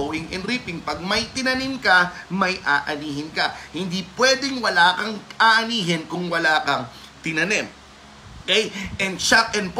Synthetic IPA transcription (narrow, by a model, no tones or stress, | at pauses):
owɪŋʔɪnɾiːpɪŋpɐɡ̚mɐjt̪ɪnɐnɪmkɐmɐjʔaːʔɐniːɦɪnkɐhɪnd̪ipwɛːd̪ɛŋwɐlaːkɐŋʔaːʔɐniːɦɪnkʊŋwɐlaːkɐŋ | t̪ɪnɐnɛn | kɛjʔɛnʃak̚ɛnp